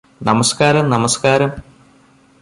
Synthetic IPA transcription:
nɐmɐskaːɾɐmnɐmɐskaːɾɐm

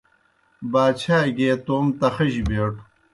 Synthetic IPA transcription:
baːt͡ɕʰaːɡeːt̪oːmt̪ɐxɐʑibeːʈ

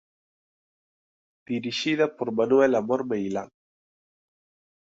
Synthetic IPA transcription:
d̪̥iɾiʃiðɐpoɾmanuɛlamɔɾmejla̰ŋ

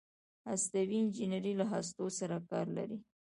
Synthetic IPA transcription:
ast̪awiɪnd͡ʒinaɾilaɦas̬t̪osaɾakɑ̰ɾla̰ɾi

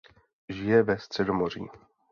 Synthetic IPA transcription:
ʒɪjɛvɛst̪r̝̥ɛdomor̝ḭː

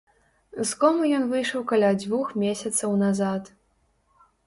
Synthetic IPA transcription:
skɔmujɔnvɨjʂɐwkalʲad͡zʲvuxmʲesʲɐt̪sɐwnazat̪

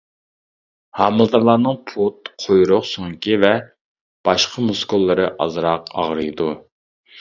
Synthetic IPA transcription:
hɑːmɨlˠd̪ɨɾlˠɑːnɨŋpʰut̪̚qʰojɾʊqsoŋkʲivɛ | b̥ɑʃqʰəmuskulˠːɨɾɨʔɑ̰zɾɑqɑ̰ʁɾɨjd̪u

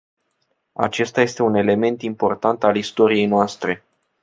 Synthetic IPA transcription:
a̰t͡ʃe̞st̪aje̞st̪e̞une̞le̞me̞nt̪impo̞rt̪ant̪alist̪o̞ɾije̞jnoast̪ɾe̞

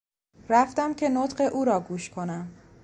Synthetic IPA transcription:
ɾæft̪æmcʲʰe̞not̪ɢeʔuːɾɒːɡuːʃkʰo̞næm

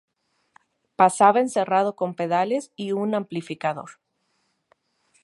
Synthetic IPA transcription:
pasaβaense̞rað̞o̞ko̞mpe̞ðale̞siunãmplifikaðo̞̰ɾ

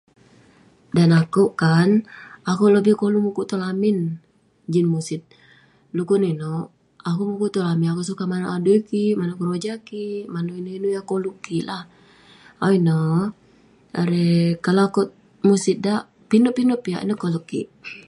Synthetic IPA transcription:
danakoʔkanakoləbɪkolumukuʔt̪olamɪn | d͡ʒinmusɪt̪̚ | lukuninoʔ | akumukuʔt̪olaminakoʔs̬ukamanoʔaduikimanokəɾod͡ʒakimanoinoinujakoluʔkilah | awinɔ | aɾekaloako | musit̪̚daʔ | pinoʔpinuʔpia̰ʔḭnəkoluʔkḭʔ

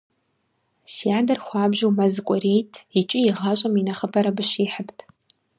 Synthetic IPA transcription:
sijaːdɐrχʷaːbʒowmazɨkʷʼʊrejtʼʰit͡ʃʼɪiʁaɕʷʼaminaχəpʰaɾabɨʃiːħəpʰtʰʼ

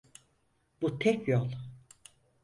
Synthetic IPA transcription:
b̥ut̪ʰɛcjolˠ

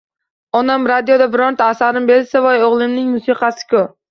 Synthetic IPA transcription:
ɒnamɾad̪ijod̪abɪɾɒnt̪ʰaːsaɾɪmbe̞lsavajoʁlˠɪmnɪŋmʊsiqɑsɪ̥kʲʰʊ

